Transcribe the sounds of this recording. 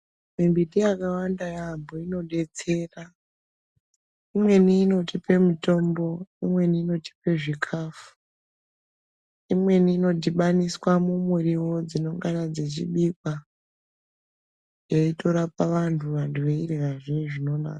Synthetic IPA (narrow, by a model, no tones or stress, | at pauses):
mimbitijakawandajaːmboino̞ɗe̞t͡se̞ra | imwe̞niːno̞tipe̞muto̞mbo̞imwe̞niːno̞ti̥pe̞ʐikʰafu̥ | imwe̞niːno̞d̬iɓaniswamumuriwo̞d͡zino̞ŋɡanad͡ze̞t͡ʃḭɓikwa | jeito̞ɾapaʋantʰuʋantuʋeireʋaʐieʐino̞na̰ːka